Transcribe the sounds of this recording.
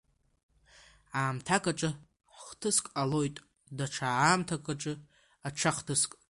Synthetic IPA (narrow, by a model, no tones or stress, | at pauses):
aːmtʰakʼaʈ͡ʂʼɨ | ħχtʰɨskʼalo̞jtʼ | daʈ͡ʂʰaaːmtʰakʰʼaʈ͡ʂʼɨ | aʈ͡ʂʰaχtʰɨskʼ